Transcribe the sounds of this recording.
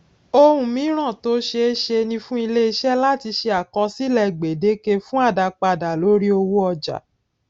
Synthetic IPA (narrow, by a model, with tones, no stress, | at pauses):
o˦˧hũ˧mĩ˨˦ɾ̃ã˦˨to˨˦ʃe˧˦ʃe˧nĩ˧fũ˦i˧le˦i˧ʃɛ˦la˦˨ti˧ʃe˧a˨kɔ̃˧si˦lɛ˨ɡ͡be˨de˨˦ke˧fũ˦a˦˨da˧k͡pa˧da˨lo˨˦ɾi˦o˧wo˦ɔ˧d͡ʒa̰˨